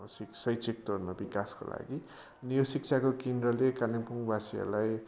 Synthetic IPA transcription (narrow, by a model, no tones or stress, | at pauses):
siksʌjt͡sik̚t̪ornʌbikasko̰la̰ɡi | ʌnijosik̚t͡sʰakokind̪rʌlekanipuŋbasia̰laj